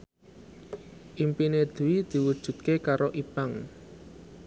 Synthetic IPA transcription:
ʔimpined̪̥uwid̪̥i̤wud̥ʒ̥ṳt̪̚kekaɾoʔipaŋ

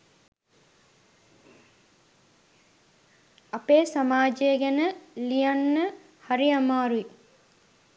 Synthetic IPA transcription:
ɐpeːsamaːd͡ʒeːɡɛnəlijanːə | haɾiamaːɾui

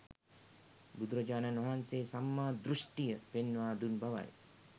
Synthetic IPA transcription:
bud̪uɾɐd͡ʒaːnanʋɐɦanseːsamːaːd̪ɾuʂʈijəpenːʋaːd̪unbaʋa̰j

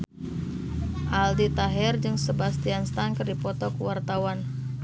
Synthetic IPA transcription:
ʔaldit̪aɦɛrd͡ʒɨŋsəbast̪ianst̪aŋkərdipɔt̪ɔkuwart̪awan

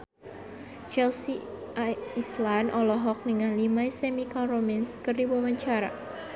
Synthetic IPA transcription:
t͡ʃɛlsi | aislanʔɔlɔɦɔk̚dəŋanlimaisemikalromanskərdiwamaɲt͡ʃaɾa̰

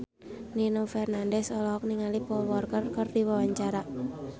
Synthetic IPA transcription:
ninɔfɛrnandɛsɔlɔɦɔk̚niŋalipɔlwɔrkərkərdiwawaɲt͡ʃaɾa

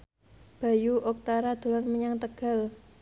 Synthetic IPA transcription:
b̥a̤juʔɔk̚t̪aɾad̪̥o̤lanməɲaŋt̪əɡ̥a̤l

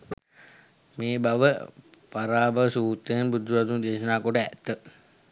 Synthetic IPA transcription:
meːbaʋəpaɾaːbasuːt̪ːəjanbud̪ʱuɾat̪und̪eːʃənaːkoʈəæ̰t̪ːə

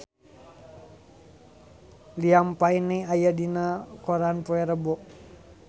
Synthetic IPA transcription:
liampainiajadinakɔɾanpuɛɾəbɔʔ

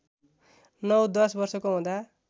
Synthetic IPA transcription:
nʌwd̪ʌsbʌrsʌkoɦũd̪a

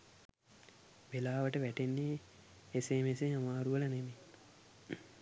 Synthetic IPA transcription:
ʋelaːʋəʈəʋæʈenːeː | semeseŋamaːɾuʋələneme

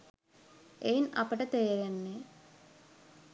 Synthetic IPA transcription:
ejinɐ̰pəʈət̪ejɾenːe

